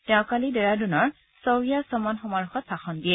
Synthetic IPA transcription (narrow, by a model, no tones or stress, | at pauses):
tɛʊ̃kalidɛɹadunɔɹ | sɔwɹijasɔmɔnxɔmaɹuxɔt̪̚b̥axɔndiɛ